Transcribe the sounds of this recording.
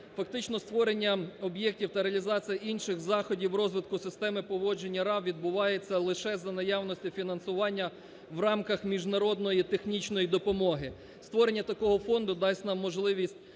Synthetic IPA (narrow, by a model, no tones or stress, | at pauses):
fɐkt̪ɪt͡ʃnɔst̪ʋɔɾe̞nʲːɐɔbjɛk̚tʲiwt̪ɐɾeɐlʲizɑt͡sʲijɐʔinʃɪxzɑxɔdʲiwɾɔzʋɪt̪kʊsɪst̪ɛmɪpɔʋɔd͡ʒe̞nʲːɐɾɑwʋʲid̪̚bʊʋɑjet͡sʲːɐlˠɪʃɛzɐnɐjɑwnɔsʲtʲʊfʲinɐnsʊʋɑnʲːɐ | wrɑmkɐxmʲiʒnɐɾɔd̪nɔjit̪exnʲit͡ʃnɔjid̪ɔpɔmɔɦɪ | st̪ʋɔɾe̞nʲːɐt̪ɐkɔɦɔfɔnd̪ʊd̪ɑsʲnɑmːɔʒlˠɪʋʲisʲtʲ